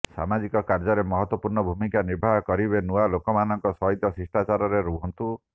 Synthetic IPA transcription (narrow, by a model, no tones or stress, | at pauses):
sa̰mad͡ʒikɔkaɾd͡ʒɔɾemɔɦɔt̪wɔpuɾɳɔbʱumikaniɾbʱaɦɔkɔɾibenualokɔmanɔŋkɔsɔɦit̪jɔsisʈat͡ʃaɾɔɾeɾuɦɔnt̪u